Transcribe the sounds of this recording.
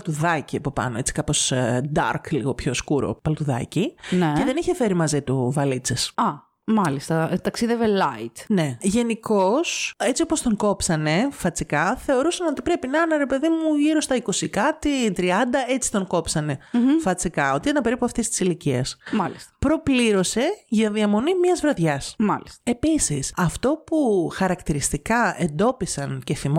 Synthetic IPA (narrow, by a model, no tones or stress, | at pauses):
ɐlt̪uðɐciɐpo̞pɐ̰no̞e̞t͡si̥kɐpo̞sd̪ɐ̰ɾklḭɣo̞pço̞skuɾo̞̰pɐlot̪uðɐ̰cinceðe̞niçe̞fe̞ɾimɐzit̪uvɐlit͡sesɐ | mɐlist̪ɐt̪ɐksiðevelɐit̪ne̞ʝe̞niko̞se̞t͡siopost̪o̞ŋko̞psɐne̞fɐt͡sikɐθe̞o̞ɾusɐno̞t̪i̥pɾe̞pinɐnɐɾe̞pe̞ðimuʝiɾo̞st̪ɐiko̞sikɐt̪it̪ɾiɐnd̪ɐe̞t͡si̥t̪o̞ŋko̞psɐne̞fɐt͡sikɐo̞t̪ienɐpe̞ɾipuɐft̪est̪i̥siliciɐ̰smɐlist̪ɐ̥pɾo̞pliɾo̞se̞ʝɐðiɐmo̞nimɲɐzvɾɐt̪ʝɐsmɐ̰liste̞pisisɐft̪o̞puxɐɾɐkt̪iɾist̪ikɐe̞nd̪o̞pisɐnce̞θim